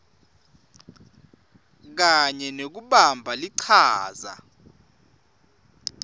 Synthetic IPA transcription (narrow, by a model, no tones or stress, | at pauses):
k̬aɲɛnok̬uɓambʱaliǀʰaːza̰